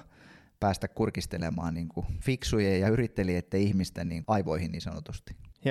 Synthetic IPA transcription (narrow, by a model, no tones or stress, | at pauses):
pæːst̪ækkurkist̪elemɑ̰ːnniːŋkufiksujejjɑyrit̪ːeliet̪ːæihmist̪æniːŋɑiʋoihinniːnsɑno̰t̪ust̪i̥